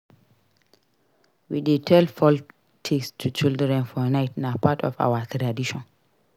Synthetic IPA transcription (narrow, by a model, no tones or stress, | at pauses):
widetʰɛlfɔl | tʰikstʰut͡ʃildɹɛ̃nfɔnajtnapʰatʰɔ̰fa̰watɾadiʃɔ̃n